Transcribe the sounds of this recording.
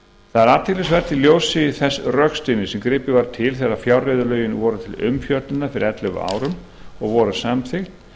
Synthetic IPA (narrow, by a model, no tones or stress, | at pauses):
θaðɛɾat̪ɪlɪsvɛɾ̥t̪ɪljowsɪθɛsːrœkst̪ɪnːɪsɛmkɾɪpɪvaɾt̪ʰɪlθɛrafjawrɪðʏlœːɥjɪnvɔɾʏt̪ʰɪlʏmfjœt̪lɪnafɪɾɪ̰ɾɛt̪lʏɣʏ̰a̰ːwɾʏm | ɔɣvɔɾʏsaːmθɪxt̪